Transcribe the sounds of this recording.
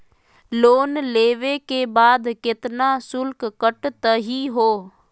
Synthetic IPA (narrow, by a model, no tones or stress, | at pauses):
loːnleːʋekeːbaːd̪kɪt̪naːsʊlkkəʈt̪əɦiːɦoː